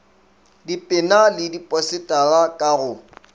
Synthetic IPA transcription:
dipʼɪnalɪdipʼɔsɪtʼalakʼaɣʊ

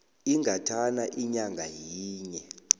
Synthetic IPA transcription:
iŋʱatʰanaʔiɲaŋɡʱajiːɲɛ

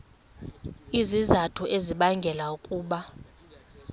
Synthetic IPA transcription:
izizatʰuʔeziɓaŋɡʱɛlaukʼuːɓa

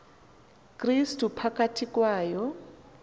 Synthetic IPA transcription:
kʼristʼupʰakʼatʰikʼwaːjɔ

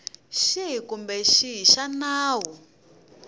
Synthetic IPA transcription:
ʃiɦikumbɛʃiɦiʃanaːɦu

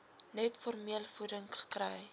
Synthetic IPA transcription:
nɛtfɔrmiəlfudəŋχə̥krəj

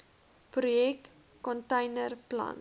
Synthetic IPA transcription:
prujɛkː | ɔntɛjnərplɐ̰n

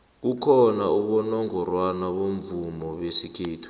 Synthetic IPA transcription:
k̬ukʰɔnauɓɔnɔŋɔrwanaɓoɱvumɔɓesikʰeːtʰu̥

